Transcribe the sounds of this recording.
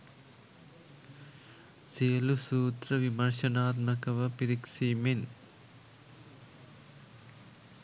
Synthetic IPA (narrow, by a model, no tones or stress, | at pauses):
seːlusuːt̪ɾɐʋimɐɾʃɐnaːt̪mɐkɐʋɐpiɾikʂimen